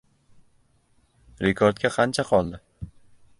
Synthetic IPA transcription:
ɾekʰɒɾt̪̚kʲaqʰɑnt͡ʃʰaqʰɒlˠd̪ɪ

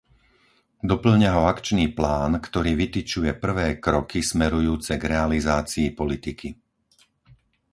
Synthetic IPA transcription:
d̪ɔpl̩ɲaɦɔakt͡ʃniːplaːnkt̪ɔɾiːʋit̪it͡ʃujɛpr̩ʋɛːkɾɔkismɛɾujuːt͡sɛɡɾɛalizaːt͡siːpɔlit̪ikʰi

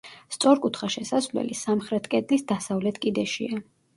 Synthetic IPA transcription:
st̪sʼɔɾkʼut̪ʰχaʃɛsaslɛ̰lisamχɾɛt̪ʰkʼɛd̪lisd̪asavlɛt̪ʰkʼid̪ɛʃia

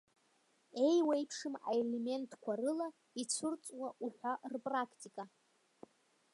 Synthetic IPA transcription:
e̞jwajpʰʂɨma̰ele̞me̞ntʰkʷʰarɨla | it͡sʷʰʊrt͡sʷʼwaʔuħʷarpʼrakʰtʼikʼa

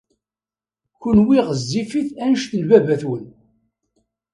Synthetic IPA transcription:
kʊnwiʁəzːifiθænəʃθənvævæθwən

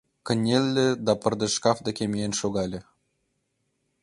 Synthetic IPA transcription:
kɘ̆nʲelʲːĕd̪ɑpɤ̆rd̪ɤ̆ʃkɑfd̪ɤkʲemʲeenʃoɣɑlʲĕ

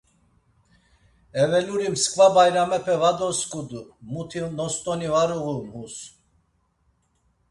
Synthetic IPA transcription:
ɛvɛluɾimskʰʼvabajɾamɛpʰɛvad̪ɔskʼud̪umut̪ʰinɔst̪ʼɔnivaɾuɣumhus

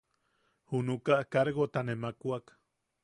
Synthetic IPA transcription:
hunukaʔkaɾɣot̪anemakuak

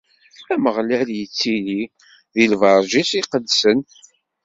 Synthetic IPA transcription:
æməʁlæljət͡sːili | ðilvɑɾˤʒisiqəd̪sən

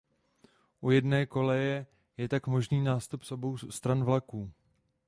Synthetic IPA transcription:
ʔujɛdnɛːko̞lɛjɛ | jɛt̪akmo̞ʒniːnaːst̪upsʔo̞bo̞wst̪ɾanvlakuː

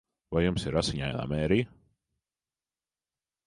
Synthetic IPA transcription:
vajumsiɾasiɲaːjna̰ːmɛːɾij

